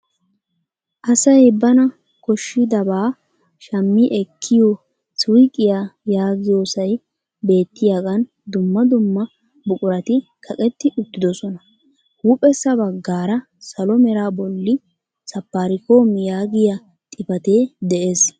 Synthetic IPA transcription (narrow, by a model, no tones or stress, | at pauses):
ʔɐsɐjbɐnɐ | kɔʃːɪd̪ɐbaː | ʃɐmːɪʔɛkʰːɪjoː | sʊjkʼːɪjaːjaːɡɪjoːsɐj | be̞ːt̪ːɪjaɡɐn | d̪ʊmːɐd̪ʊmːɐ | bʊkʼʊɾɐt̪ɪkʰɐkʼɛt̪ːɪʔʊt̪ːɪd̪ɔsɔnɐ | huːpʼɛsːɐbɐɡːaːɾɐ | sɐlɔmɛɾaːbɔlːɪ | sɐpːaːɾɪkoːmjaːɡɪja | t̪ʼɪpɐt̪eːd̪ɛʔe̞ːs